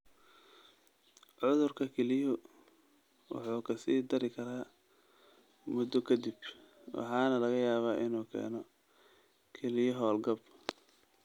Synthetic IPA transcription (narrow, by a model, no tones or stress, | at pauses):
ʕʊðʊrkʰɐkʰɛlɪjɔ | wɑ̰ħuːkʰɐsiːd̪ɐɾɪkʰɐɾaː | mʊd̪ɔkʰɐd̪ɪb | wɑ̰ħɑːnɐlɐɣɐjaːβaːʔɪnuːkʰɛ̰ːnɔ | kʰɛlɪjɔɦɔːlɡɐb